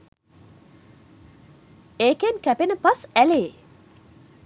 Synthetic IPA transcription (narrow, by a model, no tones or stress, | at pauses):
eːkenkæpenəpasæleː